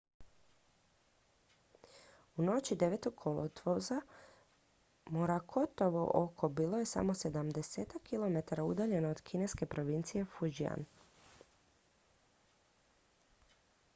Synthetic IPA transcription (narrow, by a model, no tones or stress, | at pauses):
uno̞t͡ɕid̪e̞ʋeːt̪oɡkʰolot̪ʋoza | moɾakʰo̞t̪oʋoʔokʰobiːlˠo̞je̞sa̰mo̞se̞d̪amd̪eseːt̪akʰːilˠo̞me̞t̪aɾaud̪aʎe̞nood̪kʰine̞ske̞pɾo̞ʋint̪sije̞fud͡ʒia̰n